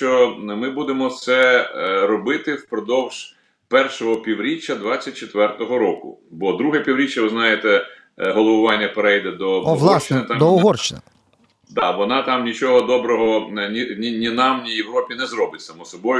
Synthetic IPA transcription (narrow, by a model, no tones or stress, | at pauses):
t͡ʃɔmɪbud̪emɔt̪sɛɾɔbɪt̪ɪwpɾɔd̪ɔwʒ̥ | pɛrʃɔɦɔpʲiwɾʲit͡ʃʲːɐd̪ʋɑt͡sʲːɐt̚ʲt͡ʃet̪ʋɛrt̪ɔɦɔɾɔkʊ̰bɔd̪ɾuɦɛpʲiwɾʲit͡ʃʲːɐʋɪznɑjet̪ɛ | ɦɔlˠɔʋʊʋɑnʲːɐpeɾɛjd̪ɛd̪ɔɦlˠsʃt͡ʃːɪnɪt̪ɑmd̪ɔɔɦɔrʃt͡ʃɪnɪ | d̪ɑʋɔnɑt̪ɑmnʲit͡ʃɔɦɔd̪ɔbɾɔɦɔnʲinʲinʲinɑmnʲijeʋɾɔpʲinɛzɾɔbɪtʲsɐmɔsɔbɔj